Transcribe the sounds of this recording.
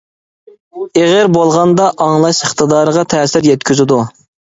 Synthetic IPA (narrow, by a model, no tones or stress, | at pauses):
eʁəɾbolˠʁɑnd̪ɑʔɑŋlˠɑʃəχt̪əd̪ɑːɾəʁɑt̪ʰɛːsɪɾjɛt̪̚kʲyzɪd̪u